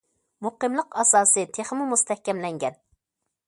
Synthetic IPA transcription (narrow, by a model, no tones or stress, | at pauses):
muqɨmlˠəqɑsɑːsɨt̪ʰeχmumust̪ʰɛhkʲɛmlɛŋɡʲɛn